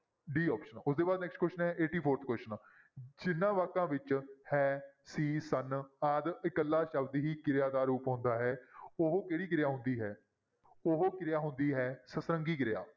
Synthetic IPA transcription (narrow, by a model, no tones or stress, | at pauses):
ɖiːɔːpʃənʊsd̪eːbaːd̪nɛːksʈkwɛsʈənɦɛːʔeːʈiːpʰoːɾt̪ʰkwɛsʃən | d͡ʒɪnːãːʋaːkːãːʋɪt͡ʃhɛːsiːsənaːd̪ɪkəlːaːʃəbd̪ɦiːkɪɾjaːd̪aːɾuːpɦʊ̃ːnd̪aːɦɛːoɦoːkeːɽiːkɪɾɪjaːɦʊ̃nd̪iːɦɛː | oɦokɪɾɪjaːɦʊ̃nd̪iːɦɛːsəsɾə̃ŋɡiːkɪɾɪja̰ː